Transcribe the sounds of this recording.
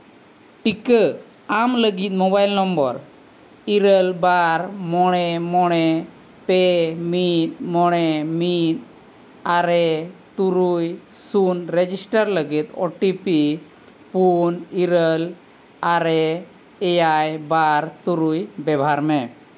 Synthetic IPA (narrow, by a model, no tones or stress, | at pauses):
ʈikə | amləɡit̪̚mɔbajlnɔmbɔɾ | iɾəlbaɾmɔɽ̃ɛmɔɽ̃ɛ | pɛmit̪̚mɔɽ̃ɛmit̪̚ | aɾɛt̪uɾujsunɾɛd͡ʒisʈaɾləɡit̪̚ɔ̰ʈipi | puniɾəl | aɾɛ | ɛjajbaɾt̪uɾujbɛbʱaɾmɛ